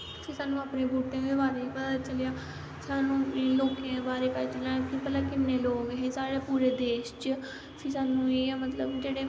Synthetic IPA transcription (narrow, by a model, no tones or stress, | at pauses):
sĩːsaːnũːapnẽːbuːʈːẽːebaːɾeːpət̪at͡ʃəljaː | saːnũːloːkẽbaːɾeːpət͡ʃəlãːkipəlaːkɪnːeːloːɡɦẽːsaːɾeːpuːɾeːd̪eːʃt͡ʃ | sisaːnũːeːɛːmət̪ləbd͡ʒeːɽeː